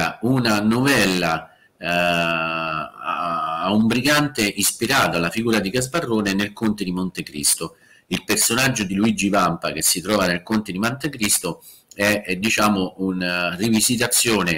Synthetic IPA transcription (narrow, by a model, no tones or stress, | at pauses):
aunanovɛlːa | umbɾiɡant̪eʔispiɾaːt̪oalːafiɡuːɾad̪ikazbarːoːnenelkont̪ed̪imont̪ekɾḭst̪o | ilpersonad͡ʒːod̪iluid͡ʒivampak̟esːit̪ɾɔːvanelkont̪ed̪imant̪ekɾist̪o | ɛd̪ːit͡ʃaːmounrivizit̪̬at̪sːjoːne